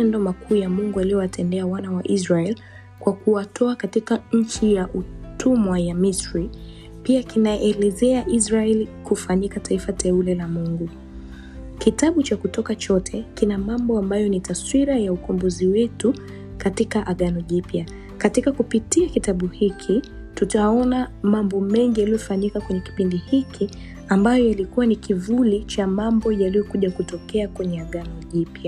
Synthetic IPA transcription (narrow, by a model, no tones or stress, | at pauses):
ɛndɔmakʰuːjamuŋɡualiɔwatʰɛndɛawanawaʔizɹaɛl | kwakuatʰɔakatikaɲ̩t͡ʃijaʔutumwajamisɹi | piakinajɛʔɛlɛzɛaʔizɹaɛlikufaɲikataifatʰɛulɛlamuŋɡu | kitaɓut͡ʃakutɔkat͡ʃɔtʰɛkinamambɔambajɔnitaswiɾajaukɔmbuziwɛtu | katikaʔaɠanɔʄipja | katikakupitiakitaɓuhikʰi | tutaɔnamambɔmɛŋɡijalijɔfaɲikakwɛɲɛki̥pindihikʰi | ambajɔjalikuwanikivulit͡ʃamambɔjalijɔkuʄakutɔkɛakwɛɲɛaɠanɔʄipja